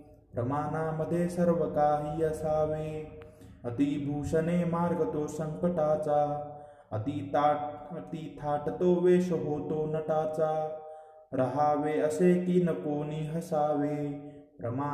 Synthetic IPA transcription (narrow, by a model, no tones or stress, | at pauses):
pɾɐmaːnaːmɐd̪ʱeːsɐɾʋɐkaːɦiːɐsaːʋeː | ɐt̪ibʱuːʃɐneːmaːɾɡɐt̪oːsɐ̃ŋkɐʈaːt͡saː | ɐ̰t̪i | t̪it̪ʰaːʈɐt̪oːʋeːsoɦoːt̪oːnɐʈaːt͡saː | ɾɐɦaːʋeːɐseːk̪inɐpoːniɦɐsaːʋeː | pɾɐ̰ma